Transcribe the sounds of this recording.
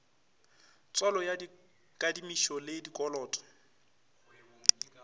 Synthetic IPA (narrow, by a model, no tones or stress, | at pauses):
t͡sʼɔlɔja | kʼadimiʃɔledikʼɔlɔːtʼɔ̥